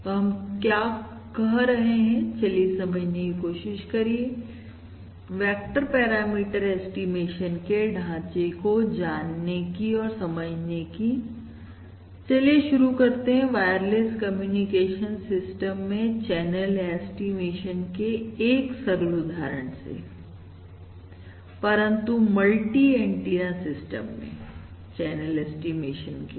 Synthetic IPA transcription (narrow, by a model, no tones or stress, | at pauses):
t̪oɦɐmkjaː | kɐɦɾɐɦeɦɛ̃t͡ʃɐlesɐməd͡ʒnekikoːʃɪʃkɐɾie | ʋɛːk̚ʈəɾpɛːɾaːmiːʈəɾɛːsʈimeːʃənkeɖʱãːt͡ʃekod͡ʒaːnːekiɔːɾsɐməd͡ʒneki | t͡ʃɐleʃʊɾukɐɾt̪eɦɛ̃ʋaːjəɾleskɐmjuːnikeːʃənsɪsʈəmːẽt͡ʃɛːnəlɛːsʈimeːʃənkeeːksɐɾlʊd̪ʱaːɾəɳ̃sḛ | pɐɾə̃nt̪umɐlʈiẽːɳʈiɾasɪsʈə̰mːḛ̃ | t͡ʃɛːnəlɛːsʈimeːʃənke